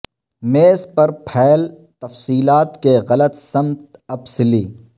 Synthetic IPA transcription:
meːspɐɾpʰɛːlt̪ɐfsiːlaːt̪keɣɐlət̪sɐmtt̪ɐbsɪliː

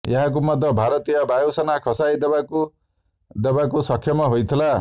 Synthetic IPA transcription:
jaɦak̬umʌd̪ʱːʌbʱaɾʌt̪ijʌbʱajosʌnakʰɔsajd̪ɔbaku | d̪ɔbakusʌkʰjɔmaɦojt̪ʰila

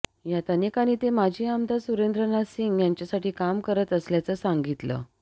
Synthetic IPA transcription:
jat̪ənekaniːt̪emad͡ʑʱiːamd̪ʱasuɾend̪ɾənasiŋɡjaɲt͡ɕjasaʈiːkamkəɾət̪əsljat͡səsaŋɡit̪lə̰

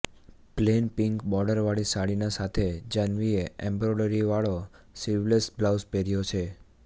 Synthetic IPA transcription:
plenpɪŋkbɔɾɖəɾʋaɭisaɭinasat̪ʰed͡ʒənʋieɛ̃mbɾoɖəɾiʋaɭo | siʋlesblawspɛɾjot͡ʃʰe

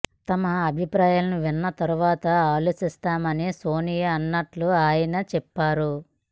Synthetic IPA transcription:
t̪ɐmɐːbʱipɾaːjaːlɐnuʋinːɐt̪ɐɾuʋaːt̪ɐaːloːsist̪aːmɐniso̞ːnijɐːnːɐʈluaːjɐnɐt͡ʃɛpːaːɾu

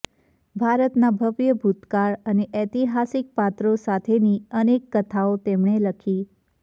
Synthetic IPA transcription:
bʱaɾət̪nabʱəʋjəbʱut̪kaɾəneʔɛt̪iɦasik̚pat̪ɾosat̪ʰeniənekːət̪ʰaot̪emɳ̃eləkʰi

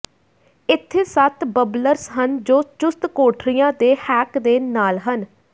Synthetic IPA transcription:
ɪt̪ʰːeːsət̪bəbləɾsɦənd͡ʒoːt͡ʃʊst̪koːʈʰɾijãːd̪eːhɛːkd̪eːnaːlɦən

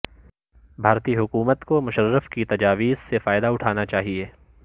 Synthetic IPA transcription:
bʱaːɾt̪iːɦʊkuːmət̪komʊʃəɾːəfkit̪ɐd͡ʒaːʋiːzsefaːɪd̪aʊʈʰaːnat͡ʃaːɦieː

